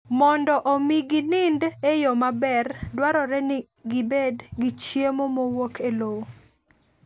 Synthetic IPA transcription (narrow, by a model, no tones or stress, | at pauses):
mɔndɔʔomiɡɪnɪndejɔmabɛrdwaɾɔɾɛnɪ | ɡɪbedɡit͡ʃjemomowokʰelowo